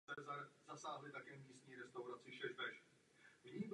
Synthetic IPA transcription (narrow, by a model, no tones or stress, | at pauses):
ɛzaɾzasaːɦlɪt̪akɛːmiːst̪ɲiːɾɛst̪awɾat͡sɪʃɛzb̪ɛʃ | vɲib